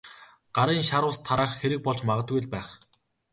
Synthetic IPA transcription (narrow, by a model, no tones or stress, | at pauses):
ɢ̥aɾiːŋʃaɾʊːst̪ʰːaɾaːχxeɾɘ̆k̚pɔɮt͡ɕmaʁə̆t̪ɡujɮpæːχ